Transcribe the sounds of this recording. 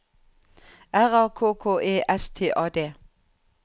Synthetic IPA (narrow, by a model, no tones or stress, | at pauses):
ʔæʁɑːkʰoːkʰoːʔeːʔɛst̪ʰḛːʔɑːd̪eː